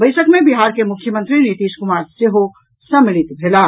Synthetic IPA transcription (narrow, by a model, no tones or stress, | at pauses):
bəɪsəkmebiɦaɾkemʊkʰːjəmə̃nt̪ɾinit̪iːskumaːɾseɦo | səmilit̪bʱela